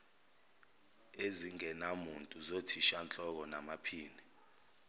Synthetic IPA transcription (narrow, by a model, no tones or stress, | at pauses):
eziŋɛnamuntʼuzotʰiʃant͡ɬʼɔk̬ɔnamapʰiːni